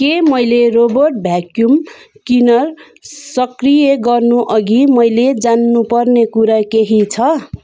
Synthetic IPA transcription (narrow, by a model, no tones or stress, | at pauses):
kemʌjlerobʌrʈ̚bʱjakjumkinʌr | sʌkrijeɡʌrnuʔʌɡimʌjled͡zanːupʌrnekuɾakeɦit͡sʰʌ